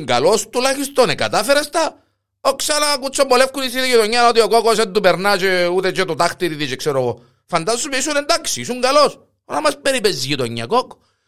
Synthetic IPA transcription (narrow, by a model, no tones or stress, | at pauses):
ŋɡa̰lost̪ulaçist̪oneka̰t̪afeɾast̪a | oksanakut͡s̪ːobolefkunisit̪iʝit̪oɲːanot̪iokokos̬ɛd̪upeɾnat͡ʃeut̪et͡ʃet̪ot̪axt̪it̪it̪it͡ʃeksɛɾoɣo | fand̪assupiisunɛnd̪aksiisuŋɡalos | onamaspeɾipɛzʝit̪oɲːa̰koko̥